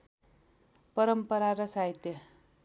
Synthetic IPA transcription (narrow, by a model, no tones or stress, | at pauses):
pʌɾʌmpʌɾaɾʌsajt̪e